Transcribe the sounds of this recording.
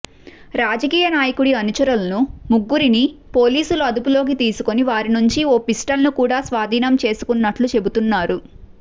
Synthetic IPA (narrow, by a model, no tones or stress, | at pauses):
ɾaːd͡ʒɐkiːjɐnaːjɐkuɽiɐnut͡ʃɐɾulɐnumuɡːuɾinipo̞ːliːsuluɐd̪upulo̞ːk̬it̪iːsukoniʋaːɾinuɲt͡ʃioːpisʈɐlnukuːɽaːsʋaːd̪ʱiːnɐmt͡ʃe̞ːsu̥kunːɐʈlut͡ʃe̞but̪unːaːɾu